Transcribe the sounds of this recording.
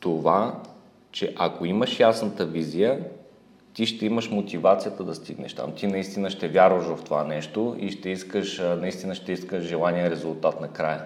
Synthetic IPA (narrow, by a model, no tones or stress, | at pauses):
t̪ova | t͡ʃɛʔɐkoiməʃjasnət̪əvizijə | t̪iʃt̪ɛiməʃmot̪ivat̪sijət̪əd̪ɐst̪iɡnɛ̰ʃt̪a̰mt̪inɐist̪inəʃt̪ɛvjaɾvəʃvɐft̪ova̰nɛʃt̪oḭʃt̪ɛiskəʃnɐist̪inəʃt̪ɛiskəʒʒɛlˠanijɛɾɛzʊlˠt̪at̪nɐkɾajə